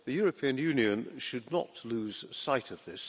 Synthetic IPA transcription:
ðɨjɔɹɨpʰiɨ̃njʉ̃njɨ̃nʃɨdⁿnə̰tʰlʉz̥saɪɾʌvðɪs

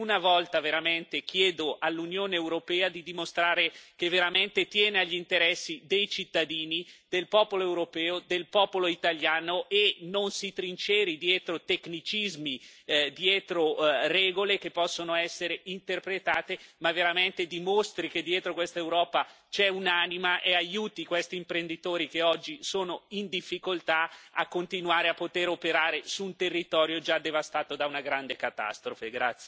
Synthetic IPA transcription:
unavɔlt̪aveɾament̪ek̟jɛːd̪oʔalːunjoːneːwɾopɛːad̪id̪imost̪ɾaːɾekevːeɾament̪et̪jɛːneaʎːint̪eɾɛsːid̪ejt͡ʃit̪ːad̪iːnid̪elpɔːpoloewɾopɛːod̪elpɔːpoloit̪aʎjaːnoʔenonsit̪ɾint͡ʃɛːɾid̪jɛːt̪ɾot̪eknit͡ʃizmid̪jɛːt̪ɾorɛːɡolekepːɔsːonoɛsːeɾeint̪erpɾet̪aːt̪emavːeɾament̪ed̪imost̪ɾik̟ed̪ːjɛːt̪ɾokwest̪aewɾɔːpa | t͡ʃɛunaːnimaʔeajuːt̪ikwest̪iːmpɾend̪it̪oːɾik̟eɔd͡ʒːisoːnoind̪ifːikolt̪aa̰kːont̪inuaːɾeapːot̪eɾopeɾaːɾesuunt̪erːit̪ɔːɾjod͡ʒad̪ːevast̪aːt̪od̪aunaɡɾand̪ekat̪a̰st̪ɾofeɡɾa̰t̪sːje

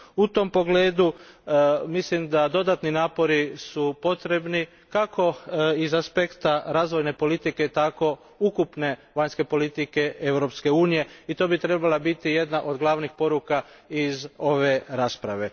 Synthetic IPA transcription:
ut̪o̞mpo̞ɡle̞ːd̪u | mislimd̪ad̪o̞d̪at̪ninaːpo̞ɾisupo̞t̪ɾe̞bni | kakʰo̞izaspe̞kt̪aɾaːzʋo̞jne̞po̞lit̪ike̞t̪ako̞ | ukupne̞ʋaɲske̞po̞lit̪ike̞e̞wɾo̞pske̞uːnije̞it̪o̞ːbit̪ɾe̞balabit̪ije̞d̪naʔo̞d̪ɡlˠaʋnixpo̞ɾukaizo̞ʋeɾaːspɾaʋe̞

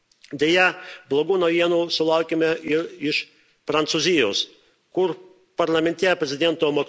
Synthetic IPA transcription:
d̪ʲejɛblˠoɡuːnɐjiɛnuːsʊlˠɑˑʊkʲemʲɛɪɾɪʃ | pɾɐnt̪suzʲɪjoːs | kʊɾ | pɐɾlˠɐmʲɛnʲt̪ʲɛpʲɾʲɛzʲɪd̪ʲɛnt̪oːmo

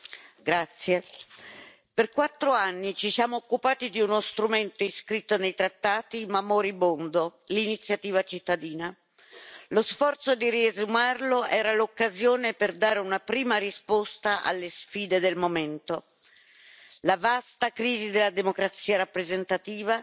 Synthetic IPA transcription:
ɡɾat̪sːje | perkwat̪ːɾoanːit͡ʃisjaːmoːkːupaːt̪id̪iunost̪ɾument̪oiskɾit̪ːonejt̪ɾat̪ːaːt̪imamoɾibond̪olinit̪sːjat̪iːvat͡ʃit̪ːad̪iːna | losfɔrt̪sod̪iriezumarloʔɛːɾalokːazjoːneperd̪aːɾeunapɾiːmaɾispost̪aʔa̰lːesfiːd̪ed̪elmoment̪o | lavast̪akɾiːzid̪elːad̪emokɾat̪sːiːaɾapːɾezent̪at̪iːva

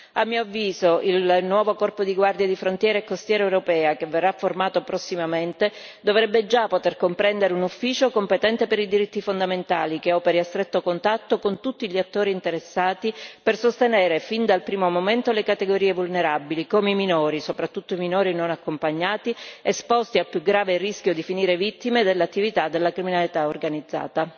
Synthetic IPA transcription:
amːiːoavːiːzoʔilnwɔːvokɔrpod̪iɡward̪jad̪ifɾont̪jɛːɾeekːost̪jɛːɾɛewɾopɛːakevːerːafːormaːt̪opɾosːimament̪e | d̪ovɾɛbːed͡ʒapːot̪erkompɾɛnd̪eɾeunufːiːt͡ʃokompet̪ɛnt̪epeɾid̪iɾit̪ːifond̪ament̪aːlikeɔːpeɾiast̪ɾet̪ːokont̪at̪ːokont̪ut̪ːiʎiat̪ːoːɾiːnt̪eɾesːaːt̪ipersost̪enɛːɾefind̪alpɾiːmomoment̪olekat̪eɡoɾiːevulneɾabilikomeiminoːɾisopɾat̪ːut̪ːoiminoːɾinonakːompaɲːaːt̪iespɔst̪iapːjuɡɾaːverisk̟jod̪ifiniːɾevit̪ːimed̪elːat̪ːivit̪ad̪elːakɾiminalit̪aorɡanid̪zːa̰ːt̪a

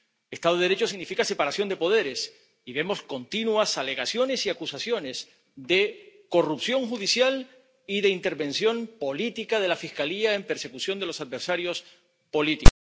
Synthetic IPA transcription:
est̪aðoɾet͡ʃo̞siɣnifikase̞paɾasjo̞nd̪e̞po̞ð̞e̞ɾe̞s | iβe̞mo̞sko̞nt̪inwasale̞ɣasjo̞ne̞siakusasjo̞ne̞z | ðeko̞rupsjo̞ŋxuðisjal | iðe̞int̪e̞ɾβẽ̞nsjo̞mpo̞lit̪ikaðe̞lafiskaliaempe̞ɾse̞kusjo̞nd̪e̞lo̞sað̚be̞ɾsaɾjo̞s | po̞lit̪i

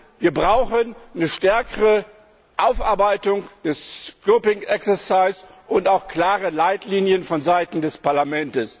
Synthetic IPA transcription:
viːɐbʁaʊxənːnəʃtɛɐkəʁə | ʔaʊfʔa̰ɐbaɪtʊŋd̥ɛskoːpɪŋʔɛksɛɐsaɪs | ʔʊntaʊxkl̥aːʁəlaɪtʰliːnjənfɔnzaɪtn̩dɛspaɐlamɛntəs

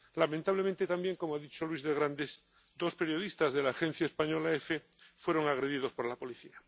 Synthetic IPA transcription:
lamẽnt̪aβlemẽnt̪et̪ambje̞ŋko̞moaðit͡ʃo̞lwizðeɣ̞ɾand̪es | d̪o̞spe̞ɾjo̞ð̞ist̪azðe̞laːxen̟θjaespaɲo̞laefe | fwe̞ɾo̞ŋaɣ̞ɾe̞ðið̞o̞spo̞ɾlapo̞liθia

